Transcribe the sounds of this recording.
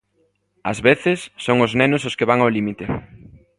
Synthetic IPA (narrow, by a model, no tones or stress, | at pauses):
ɐzβeθɪsːoŋʊznɛnʊsʊskeβaŋawlimit̪e